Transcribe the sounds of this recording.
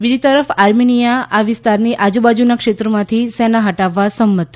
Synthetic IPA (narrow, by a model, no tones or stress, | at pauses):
bid͡ʒit̪əɾəfaɾminijaʔaʋɪst̪aɾniʔad͡ʒubad͡ʒunakʃet̪ɾəmãt̪ʰisɛnaɦəʈaʋːasəmːət̪ʰ